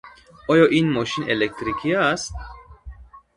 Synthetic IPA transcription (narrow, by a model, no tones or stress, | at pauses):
ɔjoʔinmoʃinelek̚t̪ɾikʰiast̪̚